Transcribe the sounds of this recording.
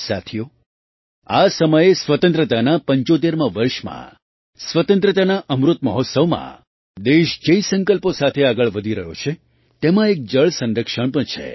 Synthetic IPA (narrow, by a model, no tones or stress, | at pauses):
sa̰t̪ʰijo | asəməjesʋət̪ə̃nt̪ɾət̪anapəɲt͡ʃot̪̬eɾmãʋəɾʃmã̰ | sʋət̪ə̃nt̪ɾət̪anaʔəmɾut̪məɦɔt̪səʋmã̰ | d̪eʃd͡ʒeisə̃ŋkəlposat̪ʰeaɡəɭʋəd̪ʱiɾəɦjo̰t͡ʃʰe | t̪emãek̚d͡ʒəɭsə̃nɾəkʃəɳ̃pəɳ̃t͡ʃʰḛ